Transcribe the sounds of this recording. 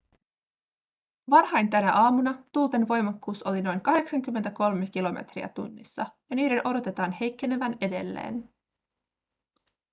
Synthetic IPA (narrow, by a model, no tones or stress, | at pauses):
ʋɑrhɑjnt̪ænæʔɑːmunɑt̪uːlt̪e̞nʋo̞jmɑkːuːso̞lino̞jŋkɑɦde̞ksɑŋk̟ymːent̪æko̞lme̞k̟ilo̞me̞̰t̪riæ̰t̪ṵnːisːɑ̰jɑniːde̞nʔo̞ɾo̞t̪e̞t̪ɑːnhe̞jkːe̞ne̞ʋæne̞de̞̰lːḛːn